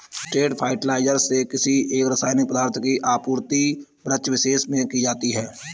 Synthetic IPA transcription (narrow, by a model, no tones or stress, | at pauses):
sʈeːʈpʰaːɪʈlaːɪd͡ʒəɾsekɪsieːkɾəsaːɪnipəd̪aːɾt̪ʰəkiʔaːpuːɾt̪i | bɾət͡ʃʋɪʃeːsmẽkid͡ʒaːt̪iɦɛː